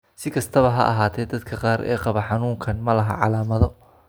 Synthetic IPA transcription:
sɪkʰɐst̪ʰɐβɐɦɐ̰ʔɐ̰ɦaːt̪ʰɛːd̪ɐd̪kʰɐqɑːɾʔɛ̰ːqɑβɐħɑnuːŋkʰɐnmɐlɐɦɐ̰ʕɑlaːmɐðɔ

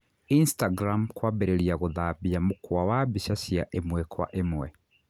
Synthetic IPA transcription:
instaɡɾamkwabɛɾeɾiaɣoðaβiamokwawabiʃasjaʔemwɛkwa̰ʔemwɛ

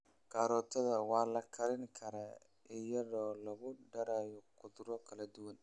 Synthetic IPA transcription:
ɡ̥aːɾɔːt̪ʰɐðɐwɑːlɐkʰɐɾɪŋkʰɐɾa | ɪjɐðɔːlɐɣʊɖɐɾɛːjɔqʊðɾɔkʰɐlɐd̪ʊwɐn

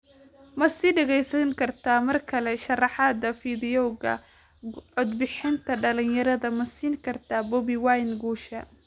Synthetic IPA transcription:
mɐsiːɖɛɣɛjsɐŋkʰɐrt̪ʰaːmɐrkʰɐlɛʃɐrɑħɑd̪ɐfiðɪɔwɣɐ̰ | ʕɔd̪bɪħɪnt̪ʰɐɖɐlɪnjɐɾɐðɐmɐsiːŋkʰɐrt̪ʰɐbɔbiwajnɡuːʃɐ

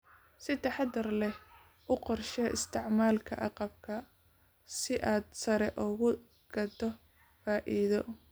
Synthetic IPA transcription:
sɪt̪ʰɐħɑd̪ɐrlɛ | ʔʊqɔrʃɛɪ̰st̪ʰɪʕmaːlkʰɐ̰ʔɑ̰qɑb̚kʰɐ | sɪʔaːd̪sɐɾɛʔʊɣʊ | ɡ̥ɐd̪ɔ | faːʔiðɔ̰

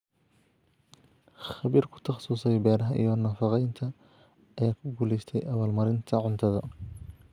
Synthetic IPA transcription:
χɑβiːrkʰʊ̥t̪ʰɑχsuːsɛjbɛːɾɐɦɐʔḭjɔnɐfɑqɛjnt̪ʰɐː | jaːkʰʊɡuːlɛjst̪ʰɛjʔɐβaːlmɐɾɪnt̪ʰɐʕʊnt̪ʰɐðɔ̰

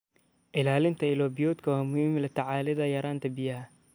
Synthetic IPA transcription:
ʔɪlaːlɪnt̪ʰɐɪlɔːbɪjɔːd̪kʰɐwaːmʊhiːmɪlɐt̪ʰɐʕɑːlɪðɐjɐɾaːnt̪ʰɐbɪjɐɐ

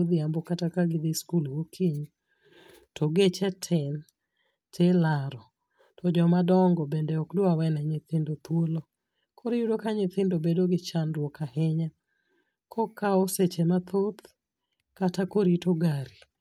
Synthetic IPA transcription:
d̪ɪambɔkatakaɡɪd̪ɪskulwokʰiɲ | tʰɔɡet͡ʃɛtʰɛn | tʰelaɾɔ | tʰɔd͡ʒɔmadɔŋɡɔbendɛɔkdoawɛnaɲɪt̪ɪndot̪wolo | kʰɔɾɪjudokaɲɪt̪ɪndobedoɡɪt͡ʃanɾwɔkahɛɲa | kʰɔkaoset͡ʃemat̪ʰot̪ | katakoɾitoɡaɾi

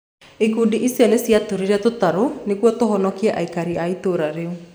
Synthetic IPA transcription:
ekudiʔisjɔnesjatoɾiɾɛtotaɾonekwɔtoɦɔnɔkiɛʔaikaɾiaitoɾaɾeu

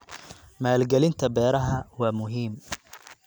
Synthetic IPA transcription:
maːlɡɛlɪnt̪ʰɐbɛːɾɐɦɐwaːmʊɦiːm

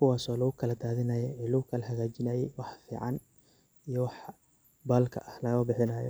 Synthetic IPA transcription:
kʰʊwaːsɔːlɐɣʊkʰɐlɐd̪aːðɪnɐjɛɛːlɐɣʊkʰɐlɐɦɐɣaːt͡ʃɪnɐjɛjwɑħfḭːʕɑ̰n | ijɔwɑħ | baːlkʰɐ̰ʔɐhlɐɣɐɐbɪħɪnɐːjɔ̰

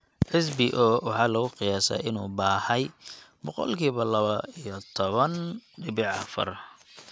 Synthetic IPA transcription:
ħɪs̬bɪʔɔːwɑħɑːlɐɣʊqɪjaːsa̰ːɪnuːbaːhɛjbɔqɔ̰lkʰiːβɐlɐβɐijɔt̪ʰɔβɐnɖɪβɪʕɑ̰fɐ̰r

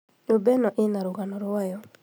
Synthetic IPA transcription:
obɛnɔʔɪnaɾuɡanɔɾʊwajɔ

